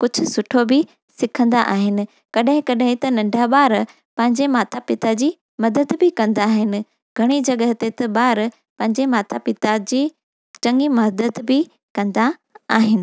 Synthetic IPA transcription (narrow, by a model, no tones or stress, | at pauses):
kʊd͡ʑʱʊ̆sʊʈʰobɪ | sɪkʰə̃nd̪aʔaːɦɪnɪ̆ | kɐɗɦɪ̃kɐɗɦɪ̃t̪ɐnɐ̃ɳɖʱaɓaːɾ | pɐ̃ɦɪ̃ɲd͡ʑemaːt̪ʰapɪt̪ad͡ʑiː | mɐd̪əd̪bɪkɐ̃nd̪aːɦɪnɪ̆ | ɡʱɐɽ̃id͡ʑɐɠəɦt̪et̪ɐɓaːɾ | pɐ̃ɦɪ̃ɲd͡ʑemaːt̪ʰapɪt̪ad͡ʑiː | t͡ɕɐ̃ŋɡimɐɦd̪əd̪bɪ | kɐ̃nd̪aaːɦɪnɪ̆